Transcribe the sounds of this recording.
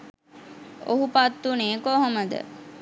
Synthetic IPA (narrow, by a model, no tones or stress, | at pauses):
oɦupat̪ːuneːkoɦoməd̪ə̰